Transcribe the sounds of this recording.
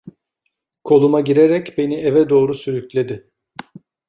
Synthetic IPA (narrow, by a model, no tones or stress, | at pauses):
kʰo̞lˠumaɟiɾeɾɛcbe̞nievɛd̪o̞ːɾusyɾycʲlʲe̞d̪ɪ